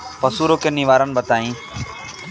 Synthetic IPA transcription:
pəsuːɾoːkeːniʋaːɾənbət̪aːĩː

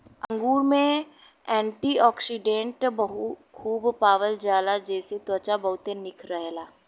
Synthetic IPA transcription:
ə̃ŋɡuːɾmẽ | ɛ̃ːɳʈiɔːksiɖẽɳʈbɐɦukʰuːbpaːʋəld͡ʒaːlad͡ʒɛːset̪ɔt͡ʃabɐɦʊt̪enɪkʰɾəɦelaː

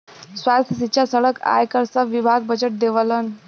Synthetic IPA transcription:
sʋast̪ʰjəsitːɕasəɭəkʰa̰jkəɾt͡səʋibʱaɡ̚bəd͡ʑəʈ̚d̪eʋələn

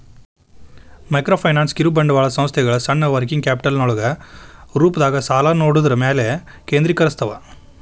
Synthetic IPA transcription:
mɐɪkɾoːfʰɐɪnaːnskɪɾubɐɳɖɯʋaːɭɐsɐmst̪jɐɣɐɭɐsɐɳːɐʋɐɾkɪŋkaːpɪ̥ʈɐlnɔɭɐɣɐɾuːpɐðaːɣɐsaːlaːnoːɽɯðɯɾɐmeːle | keːnd̪ɾɪkːɐɾɐst̪ʰɐʋã̰

